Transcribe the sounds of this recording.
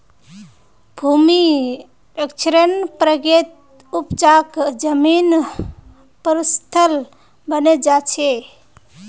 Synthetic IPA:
bʱumi | ekt͡ʃʰɾənpɾəɡet̪ | upt͡ʃakd͡ʒəmin | pəɾist̪ʰəl | bəned͡ʒat͡ʃʰe

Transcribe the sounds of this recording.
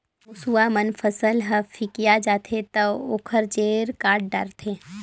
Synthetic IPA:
ʊsuwamənfʰɐsəlɦəfʰɪkijad͡ʒaːt̪ʰet̪ɐoːkʰəɾd͡ʒeːɾkaːʈ̚ɖɐ̰ɾt̪ʰeː

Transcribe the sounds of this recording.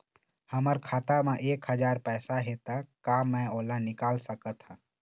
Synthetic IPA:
həməɾkʰaːt̪amẽʔeːkhəd͡ʒaːɾpɛːsaɦet̪akaːmɛ̃oːlanɪkaːlsəkət̪hã

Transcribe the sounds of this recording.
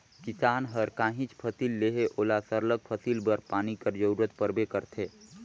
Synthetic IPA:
kɪsaːnɦəɾkãːɦĩt͡ʃpʰəsilːeɦeʔoːlasəɾləɡ̚pʰəsiːlbəɾpaːnikəɾd͡ʒəuɾət̪̚pəɾbekəɾt̪ʰeː

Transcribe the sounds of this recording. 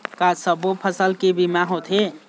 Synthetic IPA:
kasəbopʰəsəlkebimaɦot̪ʰɦe

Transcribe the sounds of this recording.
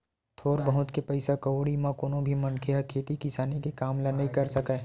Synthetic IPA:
t̪ʰoːɾbɐɦʊt̪kepɐɪsakɐwɽimãkonõbʱimɐnkʰeakʰeːt̪ikɪsaːnikekaːmlɐnɐɦĩkɐɾsɐkaː

